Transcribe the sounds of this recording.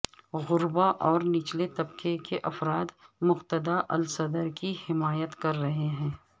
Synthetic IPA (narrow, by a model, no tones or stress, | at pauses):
ɣʊɾbaʔɔːɾnɪt͡ʃlet̪ɐbkʰekeʔɐfɾaːd̪mʊqt̪əd̪aʔɐ̰lsɐd̪əɾkihɪmaːjət̪kɐɾːɐɦeɦɛ̃ː